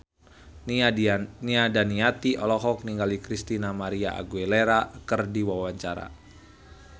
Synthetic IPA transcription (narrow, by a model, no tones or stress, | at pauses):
niadaniat̪iʔɔlɔɦɔk̚niŋɡalikɾist̪inamaɾiaa̰ɡuɛleɾakərdiwawaɲt͡ʃaɾa̰